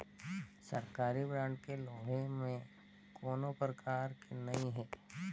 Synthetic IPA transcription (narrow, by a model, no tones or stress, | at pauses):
sɐɾkaːɾibɾãːɳʈkeloːɦẽmẽ | kʰoːnopɾɐkʰaːɾkenɐɦĩɦɛː